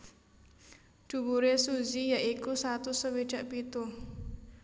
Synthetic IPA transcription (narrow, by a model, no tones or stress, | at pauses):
d̥ṳbuɾesuzijaʔikusat̪usəwe̥ʒ̥a̤ʔpit̪u